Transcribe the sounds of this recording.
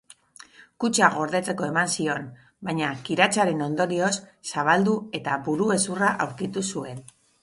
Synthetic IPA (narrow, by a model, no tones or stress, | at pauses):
kut͡ʃaɣ̞o̞ɾðe̞t͡se̞ko̞e̞mansio̞n | bajɲakiɾat͡ʃaɾe̞no̞nd̪o̞ɾio̞sːaβ̞ald̪ue̞t̪abuɾue̞suraʔawɾkit̪usue̞n